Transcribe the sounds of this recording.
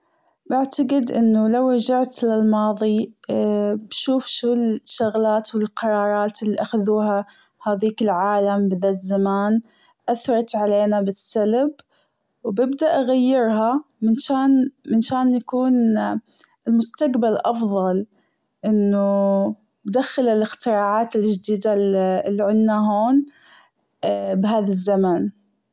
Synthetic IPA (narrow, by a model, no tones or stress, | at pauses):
bɪʕt̪aɡɪd̪ʔɪnːʊlawɾɑd͡ʒaʕt̪lɪlmɑːðˤi | bʃuːfʃuːlʃːaɣlaːt̪wɪlqɑɾˤɑːɾˤɑːt̪ɪlːiʔaxaðuːha | haːðiːkɪlʕaːlambɪðaːt̪zamaːn | ʔaθɾˤɑt̪ʕaleːnabɪsːalb | wbɪbd̪aʔaɣajːɪɾhamɪnʃaːnmɪnʃaːnjakuːn | ɪlmʊst̪aqbalʔɑfðˤɑl | ʔɪnːʊ | bd̪axːɪlɪlɪxt̪ɪɾɑːʕaːt̪ɪld͡ʒd̪iːd̪alːiʕɪnːaɦoːn | bɦaːðazːamaːn